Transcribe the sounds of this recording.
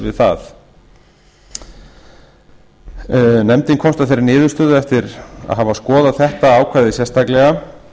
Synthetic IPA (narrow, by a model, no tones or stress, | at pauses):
vɪðθa̰θ | nɛmt̪ɪnkʰɔmst̪aθejɾɪnɪːðʏ̥st̪ʏðʏɛft̪ɪɾa̰ðɦavaskɔːðaθɛht̪aaːwkʰvaːjðɪsjɛst̪aklɛɣa